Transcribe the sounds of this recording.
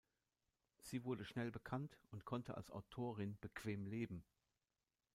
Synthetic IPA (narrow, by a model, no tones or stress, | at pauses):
z̥iːvʊɐdəʃnɛlbəkʰantʊntkʰɔntʰəa̰lsʔa̰ʊtʰoːʁ̞ɪnb̥əkʰv̥eːmleːbm̩